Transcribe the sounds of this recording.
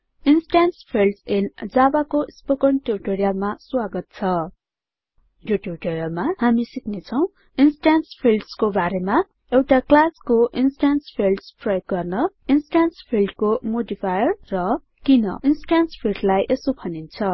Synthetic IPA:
insʈanspʰilɖsind͡zabakospokʌɳʈuɾiʈoɾijalmaswaɡʌt̪̚t͡sʰʌ | joʈuriʈoɾjalmaɦamisiknet͡sʰʌw̃ | insʈanspʰilɖskobaɾema | ewʈaklaskoʔinsʈanspʰilɖsprʌjoɡ̚ɡʌrnʌ | insʈanspʰilɖkomoɖipʰajʌrːʌ | kinʌ̰insʈanspʰilɖlajʔesopʰʌnint͡sʰʌ

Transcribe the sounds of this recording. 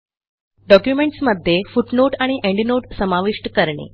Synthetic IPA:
ɖɔkjumeɳʈsməd̪ʱːjefuʈnoʈaɽ̃iʔeɳɖinoʈsəmaʋiʂʈkəɾɳḛ

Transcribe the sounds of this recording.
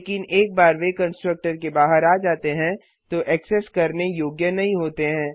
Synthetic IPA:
lːkɪneːk̚baːɾʋekɐ̃nsʈɾək̚ʈəɾkebaːɦəɾaːd͡ʒaːt̪eɦɛ̃ | t̪oʔɛːkseskɐɾnejoːɡjənɐɦĩɦoːt̪eɦɛ̃ː

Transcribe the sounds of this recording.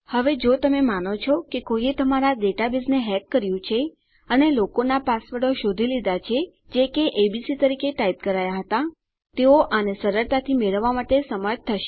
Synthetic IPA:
həʋed͡ʒot̪əmemanot͡ʃʰɔkekojet̪əmaɾad̪eʈabizneɦɛkːəɾjũt͡ʃʰe | ənelokonapasʋəɽoʃod̪ʱilid̪at͡ʃʰe | d͡ʒekeʔebisit̪əɾikeʈaip̚kəɾajaɦət̪a | t̪eoʔənesəɾəɾt̪at̪ʰimeɭəʋːamaʈesəməɾd͡ʒt̪ʰːəʃe̥

